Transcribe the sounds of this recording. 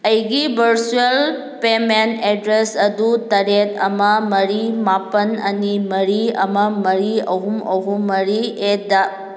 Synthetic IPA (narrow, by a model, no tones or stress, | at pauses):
ɐjɡibʱɐɾsuel | pemeneɖɾesɐd̪ut̪ɐɾet̪ɐmɐmɐɾimapənɐ̰nimɐɾiɐ̰mɐmɐɾiɐɦumɐɦumːɐɾied̪a